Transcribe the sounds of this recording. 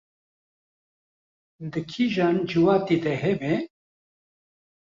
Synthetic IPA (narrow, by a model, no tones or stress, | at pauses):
d̪ɨkʰiʒaːnd͡ʒɨwaːt̪iːd̪ɛɦɛbɛ